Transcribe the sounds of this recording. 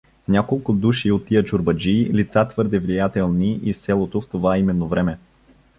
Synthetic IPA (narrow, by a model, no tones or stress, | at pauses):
nʲakolˠkʊd̪uʃiot̪ːijət͡ʃʊɾbɐd͡ʒiːlit̪sat̪vɤɾd̪ɛvlijat̪ɛlˠniʔisɛlˠot̪oft̪ovaimɛnːovɾɛmɛ